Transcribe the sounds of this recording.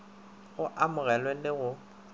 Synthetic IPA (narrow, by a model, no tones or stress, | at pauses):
ɣʊʔamʊɣɛlwelɪɣʊ